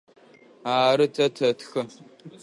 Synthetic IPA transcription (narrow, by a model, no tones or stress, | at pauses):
aːɾɨtʰɐtʰɐtxɐ